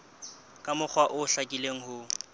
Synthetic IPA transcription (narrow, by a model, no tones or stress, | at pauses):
kʼamʊk͡xʰwaʔʊʊɬakʼileŋ̩hʊ